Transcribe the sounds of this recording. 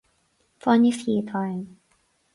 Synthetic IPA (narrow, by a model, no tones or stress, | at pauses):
fɔnifit̪ʰɔ